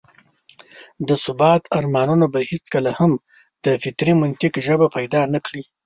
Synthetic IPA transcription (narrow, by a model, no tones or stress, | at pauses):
d̪əsʊbɑt̪ʰaɾmɑnunobahet͡skəlaham | d̪̥əfɪt̪ɾimʊnt̪ɪkʒəbapajd̪ɑnakɽi